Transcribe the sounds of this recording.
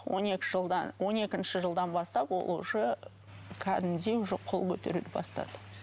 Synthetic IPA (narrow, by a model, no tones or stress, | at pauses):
wo̞̰ne̞kʲɪʒəd̪ɑwʔo̞ne̞kʲɪnʃɪʒəlˠd̪ɑnbɑst̪ɑpwo̞̰lˠuʃə | kʲʰæd̪ɪmd̪e̞wʊʒeqʰo̞lˠkʲʰɵt̪e̞̰ɾṵd̪ɪbɑst̪ɑ̰d̪ə̥